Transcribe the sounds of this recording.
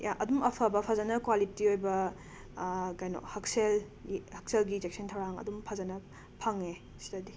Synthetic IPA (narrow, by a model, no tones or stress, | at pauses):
ʔɐdumɐpʰɐbɐpʰɐzɐnɐkwalitiojbɐ | kajnɔ̰hɐksel | ihɐk̚selɡid͡ʒek̚sʰɐntʰɐwɾaŋɐ̰dumpʰɐzɐnɐ | pʰɐŋe | si̥tɐdi